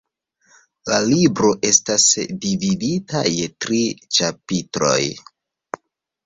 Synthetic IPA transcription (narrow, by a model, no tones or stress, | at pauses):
lalibɾo̞ʔe̞stasvividita̰je̞tɾit͡ʃapitɾo̞̰j